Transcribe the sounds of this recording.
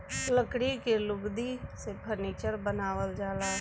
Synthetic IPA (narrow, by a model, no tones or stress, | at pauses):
ləkɽikelʊɡd̪isepʰəɾniːt͡ʃəɾbənaːʋəld͡ʒaːlaː